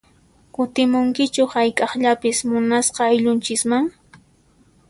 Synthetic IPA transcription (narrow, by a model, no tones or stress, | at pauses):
kʊt̪ɪmʊŋkɪt͡ʃʊhajkʼɑχʎapɪsmʊnasqɑajʎʊnt͡ʃɪkmaŋ